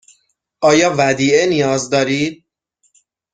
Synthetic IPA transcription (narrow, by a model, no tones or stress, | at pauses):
ʔɒːjɒːvæd̪iːenijɒːzd̪ɒːɾiː